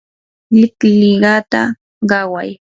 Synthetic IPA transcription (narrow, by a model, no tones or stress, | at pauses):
lɪklɪɢɑt̪a̰ | ɢɑwa̰j